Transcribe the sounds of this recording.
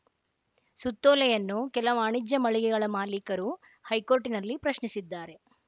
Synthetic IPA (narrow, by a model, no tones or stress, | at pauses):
sut̪ːoːlɛjɐnːukɛlɐʋaːɳid͡ʒːɐmɐɭiɡɛɡɐɭɐmaːlikɐɾu | hɐjkoːɾʈinɐlːipɾɐʃɳisid̪ːaːɾe̞